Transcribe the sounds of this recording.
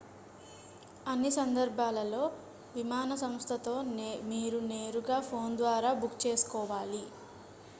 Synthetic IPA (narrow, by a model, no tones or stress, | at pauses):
ɐnːisɐnd̪ɐɾbʱaːlɐlo̞ː | ʋimaːnɐsɐmst̪ʰɐt̪o̞ːmiːɾuneːɾuɡaːpʰo̞ːnd̪ʋaːɾaːbukt͡ʃe̞ːsu̥kɔːʋaːli